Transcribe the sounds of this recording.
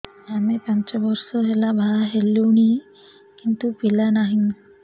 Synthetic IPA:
amepaɲt͡ʃɔbɔɾsɔɦelabʱaɦelːuɳi | kint̪upilanaɦi

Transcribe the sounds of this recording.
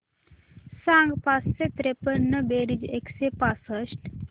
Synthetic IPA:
sãŋɡpasset̪ɾepənəbeːɽid͡ʒeksepaːsəʃʈ

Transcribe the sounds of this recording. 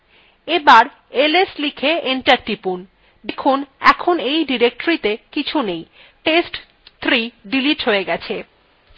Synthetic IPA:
ebaɾ | eleslikʰeeɳʈaɾʈipun | dekʰunɛ̰kʰonejɖiɾek̚ʈoɾit̪ekit͡ɕʰunej | ʈesʈ | t̪ʰːɾiɖiliʈɦoeɡɛt͡ɕʰe

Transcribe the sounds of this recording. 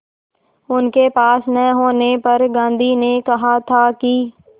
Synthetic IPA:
ʊnkepaːsnɛɦoːnepɐɾɡãːnd̪ʱinekɐɦat̪ʰaki

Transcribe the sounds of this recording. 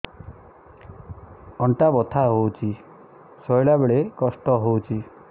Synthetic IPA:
ɔɳʈabɔt̪ʰaɦowt͡ʃʰi | sɔjɭabeɭekɔsʈɔɦowt͡ʃʰi

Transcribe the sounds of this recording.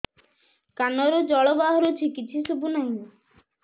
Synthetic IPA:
kanɔɾud͡ʒɔɭɔbaɦɔɾut͡ʃʰikit͡ʃʰisubunaɦĩ

